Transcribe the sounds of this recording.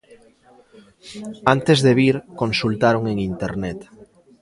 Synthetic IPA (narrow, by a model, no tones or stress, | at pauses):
ant̪ezðeβiɾkõnsult̪aɾoŋeŋint̪eɾnet̪